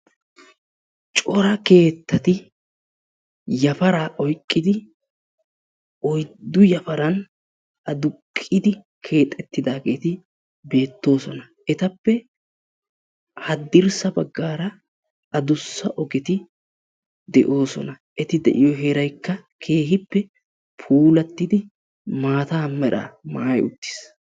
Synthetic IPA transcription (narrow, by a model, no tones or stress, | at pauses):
t͡ʃʼɔɾɐke̞ːt̪ːɐt̪ɪ | jɐfɐɾaːʔɔjkʼːɪd̪ɪ | ɔjd̪ːʊjɐfɐɾɐn | ʔɐd̪ʊkʼːɪd̪ɪ | kʰe̞ːt̪ʼːɛt̪ːɪd̪aːɡe̞ːt̪ɪ | be̞ːt̪ːo̞ːsɔnɐ | ʔɛt̪ɐpːɛ | hɐd̪ːɪɾsɐbɐɡːaːɾɐ | ɐd̪ʊsːɐʔɔɡɛt̪ɪ | d̪ɛʔo̞ːsɔ̰nɐ | ʔɛt̪ɪd̪ɛ̰ʔɪjɔɦɛɾɐjkːɐkʰe̞ːɦɪpːɛ | pʰuːlɐt̪ːɪd̪ɪ | maːt̪aːmɛɾa̰maːjʊ̰t̪ːɪ̥s